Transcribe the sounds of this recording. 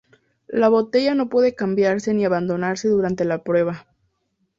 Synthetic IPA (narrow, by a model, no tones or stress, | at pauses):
laβo̞t̪e̞ʝano̞pwe̞ðe̞kambjaɾse̞niaβand̪o̞naɾse̞ðuɾant̪e̞lapɾwe̞βa